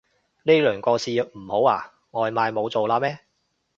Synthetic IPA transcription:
ne˥lœː˨˩ŋkɔː˧siː˨m̩˨˩ho˨˥wa̰ː˨˩ | ŋɔː˨˧jmaː˨˧jmo˨˧wt͡so˨wlaː˧mɛː˥

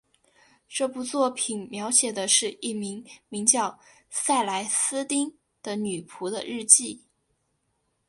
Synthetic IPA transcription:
ʈ͡ʂɤ˥˩pu˧˥t͡swɔ˥˩pʰi˨˩nmjɑ˧˥ʊɕjɛ˨˩d̪ə˦ʂɻ̩˥˧i˥˩mi˧˥ŋmi˧˥ŋt͡ɕjɑ˥˧ʊ | sa˥˩ɪla˧˥ɪsɹ̩˥t̪i˥ŋ | d̪̥ə˨ny˨˩pʰu˧˥d̪ə̰˧ɻɻ̩˥˧t͡ɕi˥˩

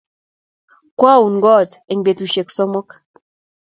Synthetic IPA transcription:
kwa˦˨u˨n˨ɡɔ˦˨te˨ŋ˨be˨tu˨ʃe˨ksɔ˦mɔ˦k

